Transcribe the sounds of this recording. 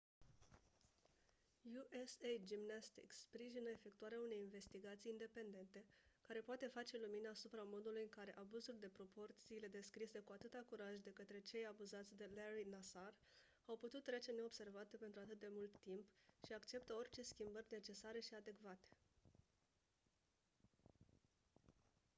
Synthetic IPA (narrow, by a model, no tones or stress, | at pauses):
juʔesejd͡ʒimnast̪ḭksspɾiʒinəefe̞k̚t̪uaɾeaune̞jinve̞st̪iɡat̪sijind̪e̞pe̞nd̪e̞nt̪e̞kaɾe̞poat̪e̞fat͡ʃe̞luminaːsupɾamo̞d̪ulujɨŋkaɾe̞ʔabuzuld̪e̞pɾo̞po̞rt̪siːle̞d̪e̞skɾise̞kuat̪ɨt̪akuɾaʒd̪e̞kət̪ɾe̞t͡ʃe̞jabuzat̪sʲd̪e̞leɾinasar | awput̪ut̪ːɾe̞t͡ʃe̞ne̞o̞bse̞rvat̪epe̞nt̪ɾuat̪ɨt̪d̪e̞mult̪ːimpʃiakt͡ʃe̞pt̪əo̞rt͡ʃe̞skʲimbərʲne̞t͡ʃe̞saɾe̞ʃiad̪e̞kvat̪e̥